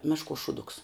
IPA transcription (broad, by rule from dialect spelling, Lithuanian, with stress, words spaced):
ˈmʲæːʃˌkuɔs ʃuːˈdʊks